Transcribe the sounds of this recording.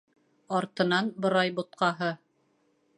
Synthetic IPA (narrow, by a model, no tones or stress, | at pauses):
ɑɾt̪ɤ̆nɑnbɤ̆ɾɑjbŏt̪̚qɑɦɤ